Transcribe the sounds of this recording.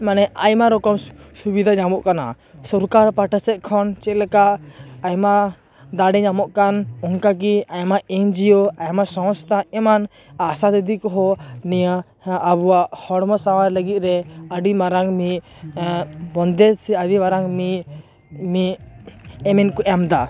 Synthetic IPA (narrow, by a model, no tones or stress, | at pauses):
manɛʔajmaɾɔkɔmsubid̪ʱaɲamɔʔkana̰ | sɔɾkaɾpaʈasɛt̪̚kʰɔnt͡ʃɛlɛkaʔajma | d̪aɖɛɲamɔʔkanɔŋkak̬iajmaɛɲd͡ʒiɔajmasɔ̃w̃st̪ʰaɛman | asad̪ɛd̪ikɔɦɔnijaː | buwaʔhɔɽmɔsawaɾləɡit̪̚ɾɛəɖimaɾaŋmi | bɔnd̪ɛsɛaɖimaɾaŋmi | mi | ɛmɛnkɔʔɛmd̪a